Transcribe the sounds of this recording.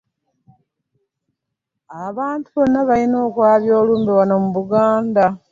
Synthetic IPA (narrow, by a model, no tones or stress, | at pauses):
aβaːntuβo̞nːaβalino̞ːkwaːβjo̞ːluːmbiwano̞muβuɡaːnda